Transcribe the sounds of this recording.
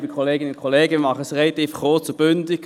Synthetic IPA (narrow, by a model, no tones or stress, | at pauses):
bikʰoleːɡɪnəʊnkʰoleːɡəmɑχəsʁelɑt̪iːfχoːt͡sʊb̥ʏndɪk